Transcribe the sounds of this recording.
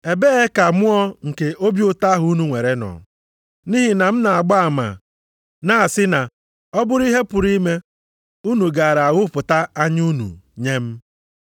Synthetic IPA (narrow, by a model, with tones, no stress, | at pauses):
e˨be˦e˦ka˨mʊ˦ɔ˦ŋ̩˨ke˨ʔo˦bjʊ˦ta˦ɦʊ˨˦u˦nu˨ŋʷe˨ɾe˦nɔ̰˨ | ni˦ɦi˨na˨m̩˦na˨a˨ɡ͡ba˦a˨ma̰˨ | na˦a˨sɪ˦na˨ | ɔ˦bʊ˦ɾʊ˦i˦ɦe˦pʊ˨ɾi˦me˦ | u˦nu˨ɡa˨ɾa˨a˨ɣʊ˦pʊ˨ta˦a˦ɲu˦nṵ˨ɲe˦m̩˦